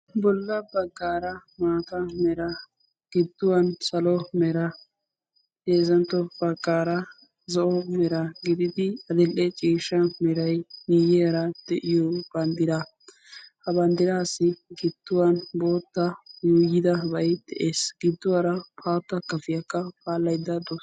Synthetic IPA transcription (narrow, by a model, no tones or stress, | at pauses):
bɔlːɐbɐɡːaːɾɐmaːt̪ɐmɛɾɐ | ɡ̥ɪd̪ːʊwɐnsɐlɔmɛɾɐ | d̪eːzɐnt̪ːɔb̥ɐɡːaːɾɐ | zɔʔɔmɛɾɐɡɪd̪ɪd̪ɪɐd̪ɪlʔɛt͡ʃʼiːʃɐmɛɾɐjnijɛɾɐd̪̥ɛʔɪjɔb̥ɐnd̪ɪɾɐ | hɐbɐnd̪ɪɾaːsɪɡɪd̪̥ːʊwɐnbo̞ːt̪ːɐjuːjɪd̪ɐbɐjd̪ɛʔeːsɡ̥ɪd̪ːʊwɐɾɐpʰaːt̪ːɐkːɐfɪjɐkːɐpʰaːlːɐjd̪ːɐd̪ɔ